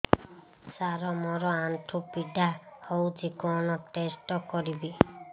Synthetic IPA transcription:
saɾɔmɔɾɔanʈʰupiɖahɔwd͡ʒikɔnɔʈesʈɔkɔɾibi

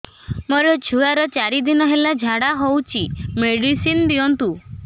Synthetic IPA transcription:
moɾɔd͡ʒʰʱuaɾɔt͡ʃaɾid̪inɔɦelad͡ʒʱaɽaɦowt͡ʃʰimeɽisind̪iɔnt̪u

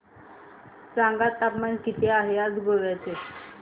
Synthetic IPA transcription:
t͡sãŋɡat̪ːapmankit̪ʰeaɦeat͡sɡoʋajt͡se

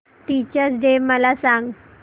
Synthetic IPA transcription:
t̪it͡ɕəsɖeməlasaŋɡ

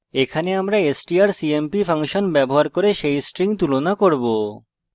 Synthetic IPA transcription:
ekʰaneamɾaesʈiaɾsiempipʰaŋʃonbɛboɦaɾkoɾeʃejsʈɾiŋt̪ulonakoɾbo

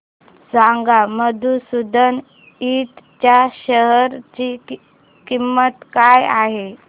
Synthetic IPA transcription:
saŋɡaməd̪ʱusud̪ʱən | it̪t͡ɕjaɕəɦəɾt͡ɕi | kimːət̪kajaɦe

